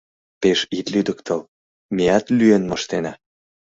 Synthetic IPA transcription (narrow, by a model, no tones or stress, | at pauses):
peʃit̪lyd̪əkt̪əl | meɑt̪lyenmɤʃt̪enɑ